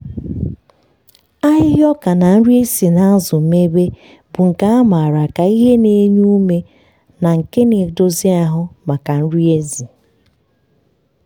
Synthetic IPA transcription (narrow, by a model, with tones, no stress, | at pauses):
a˦ɦɪ˦ɦjɔ˦ka˨na˨n̩˦ɾi˦e˦si˨na˦a˦zʊ˨me˦be˦ | bʊ˨ŋ̩˨ka˦a˦ma˨ɾa˨ka˨i˦ɦe˦ne˨˦ɲu˦u˦me˦ | na˨ŋ̩˨ke˦ne˨do˦zi˦a˦ɦʊ˦ma˨ka˨n̩˦ɾi˦e˦zi˨